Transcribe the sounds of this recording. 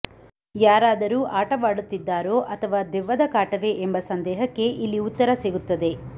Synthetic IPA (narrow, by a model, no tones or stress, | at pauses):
jaːɾaːd̪ɐɾuːʔaːʈɐʋaːɽut̪ːid̪ːaːɾo̞ːʔɐt̪ʰɐʋaːd̪ɛʋːɐd̪ɐkaːʈɐʋe̞ʔembɐsɐnd̪ɛːɦɐkːe̞ʔilːiut̪ːɐɾɐseɡut̪ːɐd̪e̞